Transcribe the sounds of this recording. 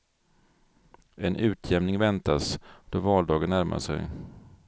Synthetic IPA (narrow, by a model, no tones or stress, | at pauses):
ʔɛnʔʉ̟ːt̪ʰjɛmnɪŋvɛnt̪asd̪̥oːvɑːld̪ɑːɡənːæɾmʔa̰ʂɛ̰j